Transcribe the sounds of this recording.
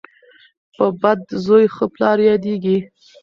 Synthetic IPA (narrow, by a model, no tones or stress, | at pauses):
pəbad̪zojxəplɑɾjɑd̪eɡi